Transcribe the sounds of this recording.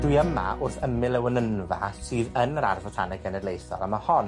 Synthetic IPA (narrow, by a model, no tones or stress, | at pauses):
d̥wɨəma̰ʔʊrθəmɪlˠɛwənənva̰sɨːðənəɾa̰rvɔtʰanɛɡɛnɛdlejθɔ̰ɾˠamahɔn